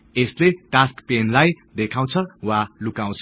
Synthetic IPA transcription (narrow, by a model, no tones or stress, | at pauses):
esleʈaskpenlaj | d̪ekʰaw̃t͡sʰʌwalukãw̃t͡sʰʌ